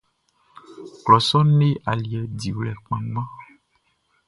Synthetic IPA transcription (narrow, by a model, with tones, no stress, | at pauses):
klɔ˨sɔ˦ne˦ʔa˨li˨ɛ˨di˨wlɛ˨k͡pɛ̃˨mã˦